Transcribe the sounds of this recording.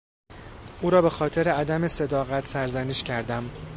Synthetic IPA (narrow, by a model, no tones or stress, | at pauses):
ʔuːɾɒːbe̞xɒːt̪ʰe̞ɾe̞æd̪æme̞se̞d̪ɒːɣæt̪ʰsæɾzæniːʃcʰæɾd̪æm